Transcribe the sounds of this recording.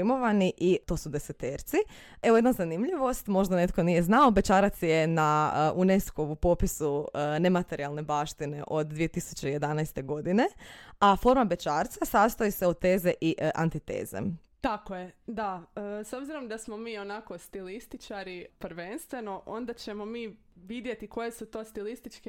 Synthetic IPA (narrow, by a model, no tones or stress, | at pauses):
imo̞ʋaniʔit̪o̞ːsud̪eset̪eːɾt̪si | eʋojed̪nazanimʎiʋo̞st̪mo̞ʒd̪ane̞t̪ko̞nije̞znao̞be̞t͡ʃaɾat̪sjenaʔuneskoʋupopisunemat̪e̞ɾialˠne̞baːʃt̪ine̞̰ʔo̞d̪d̪ʋije̞t̪isu̥t͡ɕe̞je̞d̪anajst̪e̞ɡo̞d̪ine̞afo̞ɾmabe̞t͡ʃaːɾt̪sasast̪ojise̞od̪̚t̪e̞ːze̞ʔiʔʔa̰nt̪it̪ḛːzḛ | t̪akojed̪aəso̞bziɾo̞md̪asmomiːo̞nako̞st̪ilist̪it͡ʃaɾipɾʋe̞nst̪ʋe̞no̞ʔo̞nd̪at͡ɕemo̞miː | ʋid̪jet̪iko̞jesut̪o̞ːst̪ilist̪it͡ʃke